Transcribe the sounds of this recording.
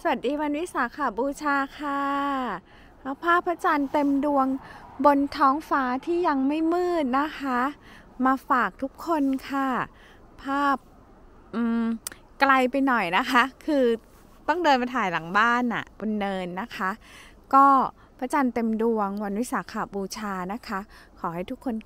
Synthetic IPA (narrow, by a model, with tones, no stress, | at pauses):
sa˨˩a˨˩t̪̚diː˧wa˧nwi˦˥saː˨˩˦kʰa˨˩buː˧t͡ɕʰaː˧kʰa˥˩ | ka˦˥wpʰaː˥˩pʰːa˦˥t͡ɕaː˧nt̪e˧mdu˧əŋbo˧nt̪ʰɔː˦˥ŋfaː˦˥t̪ʰiː˥˩ja˧ŋma˥˩jmɯː˥˩t̪̚na˦˥kʰa˦˥ | maː˧faː˨˩k̚t̪ʰu˦˥kʰːo˧nkʰa˧˥˩ | pʰːaː˥˩p̚ | ʔɯː˧˩m | kla˧jpa˧jnɔ˨˩jna˦˥kʰa˦˥kʰɯː˧ | t̪ɔ˥˩ŋdɤː˧nma˧jt̪ʰaː˨˩˦jla˩˦ŋbaː˥˩nʔa̰˨˩bo˧nːɤː˧nːa˦˥kʰa˦˥ | kɔː˥˩ | pʰa˦˥t͡ɕaː˧nt̪e˧mdu˧əŋwa˧nwi˦˥saː˩˦kʰaː˨˩buː˧t͡ɕʰaː˧na˦˥kʰa˦˥kʰɔː˩˦ha˥˩jt̪u˦˥kʰːo˧n